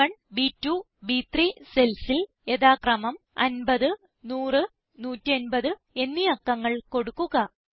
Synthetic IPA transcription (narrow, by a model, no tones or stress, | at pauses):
ɐɳbiːtːu | biːt̪rise̞lsil | e̞ðaːkrɐmɐm | ɐ̰nbɐðɨ | nuːrɨ | nuːtːɐnbɐðɨ | e̞nːiɐkːɐŋːɐɭko̞ɽukːuɣɐ